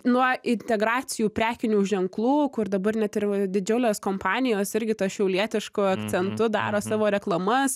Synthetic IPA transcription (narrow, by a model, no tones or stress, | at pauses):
nuɔɪnʲt̪ʲɛɡɾɑːt̪sʲɪjuːpʲɾʲæːkʲɪnʲuːʒʲɛŋklˠuːkʊɾd̪ɐbɐrnʲɛt̪ɪrd̪ʲɪd͡ʒʲɛʊlʲoːskoːmpɑːnʲɪjoːsɪɾʲɡʲɪt̪ɐʃʲɛʊlʲiɛt̪ʲɪʃkʊɐktt͡ssʲɛnt̪ʊd̪ɑ̰ːɾoːsɑːʋoːɾʲɛklˠɐmɐs